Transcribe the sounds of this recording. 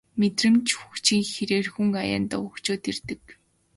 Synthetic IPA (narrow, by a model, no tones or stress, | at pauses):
met̪rɘ̆mt͡ɕʰxukt͡ɕĭŋxeɾeːrxuŋaja̰ːnt̪ɔɵkt͡ɕoːt̪ert̪ɘ̆k